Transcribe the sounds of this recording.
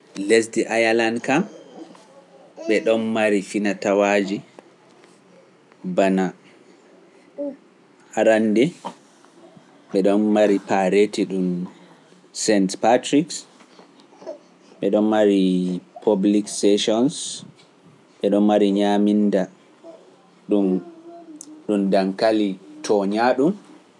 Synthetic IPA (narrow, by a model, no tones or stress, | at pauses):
lesdiʔajalandkam | ɓɛɗɔnmaɾifinatawad͡ʒi | bana | aɾandɛ | ɓɛɗɔnmaɾipaɾetiɗum | sɛntpatɾiks | ɓɛɗɔnmaɾipʰobliksɛʃɔns | ɓɛɗɔnmaɾiɲaminda | ɗum | ɗumdaŋkalitʰɔɲaɗum